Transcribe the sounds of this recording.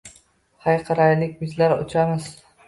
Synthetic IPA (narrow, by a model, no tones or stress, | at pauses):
hajqʰɨɾajlɪkʲbɪzlaɾʊ̰t͡ʃʰamɪz